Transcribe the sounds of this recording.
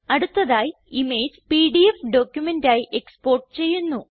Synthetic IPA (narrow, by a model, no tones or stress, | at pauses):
ɐɽut̪ːɐðaːji | ime̞ːd͡ʑpiːɖiefɖo̞ːkʲjume̞ndaːjiʔe̞kspo̞ːrʈɨt͡ɕe̞jːunːu